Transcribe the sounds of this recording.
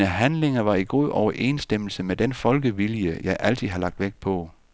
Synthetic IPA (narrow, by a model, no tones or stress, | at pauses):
əɦænle̝ŋɐʋɑ̈iɡ̥o̝ð̰ˠɒʊɐʔeːnsd̥em̰l̩səmed̥enfɒ̽lɡ̥əʋiljəjɑ̈ɪʔæl̰t͡sʰið̩̰ˠɦɑ̈lɑ̈ɡ̥̚d̥ʋeɡ̥̚pʰɒ̽